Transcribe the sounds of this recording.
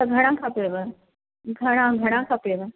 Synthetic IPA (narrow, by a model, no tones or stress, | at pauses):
ɐɡʱɐɽ̃ãkʰaːpeʋe | ɡʱɐɽ̃ãɡʱɐɽ̃ãkʰapeʋə